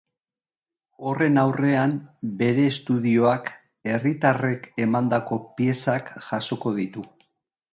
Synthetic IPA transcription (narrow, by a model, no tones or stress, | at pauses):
o̞re̞nawre̞ambe̞ɾe̞ːst̪uðio̞ak | e̞rit̪are̞ke̞mand̪ako̞pie̞sakʝaso̞ko̞ð̞it̪u